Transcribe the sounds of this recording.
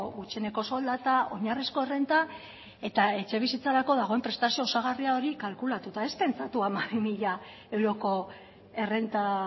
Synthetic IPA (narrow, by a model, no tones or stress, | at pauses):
ɣut͡ʃie̞ne̞ko̞so̞ld̪at̪ao̞̰ɲariskoe̞re̞nt̪a | e̞t̪ae̞t͡ʃe̞β̞isit͡saɾako̞ðaɣ̞o̞e̞mpɾe̞st̪asio̞ːsaɣ̞ariao̞ɾikalkulat̪ut̪ae̞spe̞nt͡sat̪uamaβimiʎa | e̞wɾo̞ko̞ | e̞re̞nt̪a